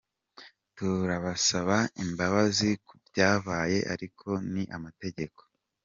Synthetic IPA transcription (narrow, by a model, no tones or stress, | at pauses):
tuɾaβasaβaimbaβazikubjaːβaːje̞ʔa̰ɾikʰo̞niʔamate̞ɟe̞ko̞̥